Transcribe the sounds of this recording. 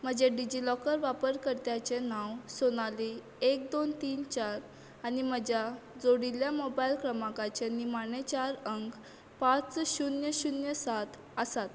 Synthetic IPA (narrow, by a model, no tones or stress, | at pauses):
m̤əd͡ʑeɖid͡ʑilɔkəɾʋapəɾkəɾt̪jat͡ɕenãwsonali | ek̚d̪ont̪iːnt͡ɕaɾ | anim̤əd͡ʑjad͡zoɽiljamɔbailkɾəmãkat͡ɕenimanet͡ɕaɾəŋk | pãt͡sɕunjəɕunjəsat̪ʰ | əsat̪